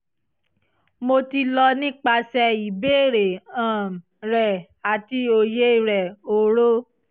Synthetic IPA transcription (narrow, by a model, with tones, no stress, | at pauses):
mo˧ti˧lɔ˧nĩ˦k͡pa˧sɛ˧i˨beː˦˨ɾe˨ã˨ | ɾɛ˨ | a˨ti˧o˧je˦˨ɾɛ˨o˨ɾo˦